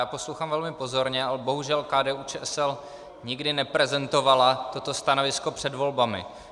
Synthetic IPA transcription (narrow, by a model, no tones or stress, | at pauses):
jaːpo̞slowxaːmvɛlmɪpo̞zo̞ɾɲɛalɛbo̞ɦuʒɛlkaːdɛːʔut͡ʃɛːʔɛsɛl | ɲɪɡdɪnɛpɾɛzɛnt̪o̞valat̪o̞t̪o̞st̪anovɪsko̞pr̥ɛdvo̞lbamɪ̰